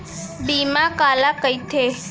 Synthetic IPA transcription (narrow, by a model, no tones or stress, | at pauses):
bimãkalakəjt̪ʰe